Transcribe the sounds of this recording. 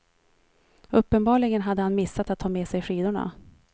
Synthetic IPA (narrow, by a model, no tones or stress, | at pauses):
ɵpːənbɑːɭɪɡənɦad̪ːəhanmɪsːat̪at̪ʰːɑːmeːsɛjɧiːd̪ʊɳa̰